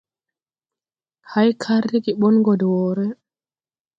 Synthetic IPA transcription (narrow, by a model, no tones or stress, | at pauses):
hajkʰaɾdiɡiɓɔnɡɔdwɔːɾɛ